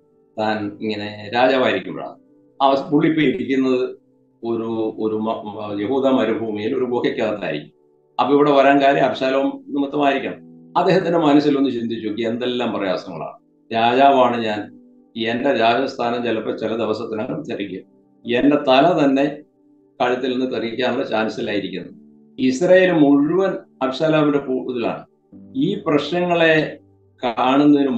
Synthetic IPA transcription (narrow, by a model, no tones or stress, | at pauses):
t̪aːniŋːɐne̞ɾaːd͡ʑaːʋaːjiɾikʲːumbɐ̰ɭa̰ɳ | ɐɐpuɭːipːoiʈikʲːunːɐðɨ | o̞ɾuoɾuje̞ɦuːðamɐɾubʱuːmijiloɾuboːkɐkʲːaːðɐt̪ːa̰ːjiɾikʲːum | ɐ̰pːoːiʋiɽe̞ʋɐɾaːnkaːɾeɐbɐɕaːlɐʋumnːɨmut̪ːɐmaːjiɾikʲːɐɳɐ̰mɐd̪ːe̞ːɦɐt̪ːindemɐnɐsilo̞nd̪ɨɕind̪ʱit͡ɕːukːie̞nd̪e̞lːaːmprɐja̰ːsɐŋːɐ̰ɭa̰ːɳɨ | ɾaːd͡ʑaːʋaːɳɨɲaːn | endeɾaːd͡ʑɐst̪ʰaːnɐmd͡ʑelːɐpːɐt͡ɕilɐd̪eʋɐsɐt̪ːinɐŋɐɭut͡ɕɐrikʲːum | ende̞t̪ɐlɐt̪ɐnːe̞ | kɐɻɐt̪ːilenːɨt̪ɐrikʲːaːnuɭːɐt͡ɕaːnsilaːjiɾikʲːunːɐɨ | isrɐje̞ːlumuɻuʋɐnɐbiɕaːlaːʋinde̞puːuðila̰ːɳɨ | iːprɐɕnɐŋːɐɭe̞ | kaːɳenːɐðinu